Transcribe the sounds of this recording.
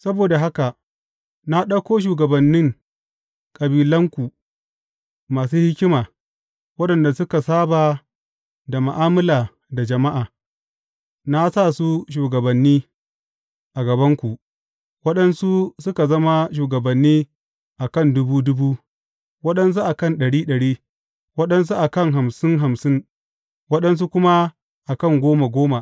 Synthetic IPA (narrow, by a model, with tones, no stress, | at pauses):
sɐ˦boː˨da˨ɦa˦ka˨ | na˦ɗɐ˦kʷoː˦ʃ̬uː˨ɡɐ˨bɐ˨nːɪ˦ŋ | kʼɐ˨biː˨lɐ˦ŋkʷu˨ | maː˨suː˦hɪ˦kʲɪ˦maː˨ | wɐ˦ɗɐ˨nda˨sʊ˦ka˨saː˦baː˨ | da˨ma˨ʔaː˦mɐ˦laː˨ | da˨d͡ʒɐ˨ma˦ʔaː˨ | na˦sa˦˨su˦ʃ̬uː˨ɡɐ˨bɐ˨nːiː˦ | ʔa˨ɡɐ˨bɐ˦ŋkʷu˨ʔ | wɐ˦ɗɐ˦nsu˦sʊ˦ka˨zɐ˦ma˦ʃ̬uː˨ɡɐ˨bɐ˨nːiː˦ | ʔa˨kɐ˦˨ndʊ˦buː˦dʊ˦buː˦ | wɐ˦ɗɐ˦ns̬u˦ʔa˨kɐ˦nɗɐ˨ɽiː˦ɗɐ˨ɽiː˦ | wɐ˦ɗɐ˦ns̬u˦ʔa˨kɐ˦˨ŋɦa˨msɪ˦ŋɦa˨msɪ˦ŋ | wɐ˦ɗɐ˦ns̬u˦kʷʊ˦ma˦ | ʔa˨kɐ˦˨ŋɡʷoː˦ma˨ɡʷoː˦ma˨ʔ